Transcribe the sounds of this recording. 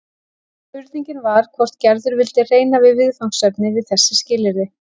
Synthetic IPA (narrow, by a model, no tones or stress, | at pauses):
fʏɾðiɲcɪnvaɾ̥kʰvɔr̥t̪cɛɾðʏɾvɪlt̪ɪreːjnavɪðvɪðfawŋ̥sœpnɪvɪðθɛsːɪscɪːlɪɾɪ